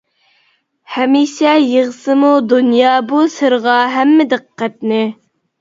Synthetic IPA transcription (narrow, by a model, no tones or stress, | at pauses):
hɛmiʃɛjeʁəsɨmud̪unjɑːbusɨɾʁɑɦɛmːɪd̪ɨqqːæt̪nɪ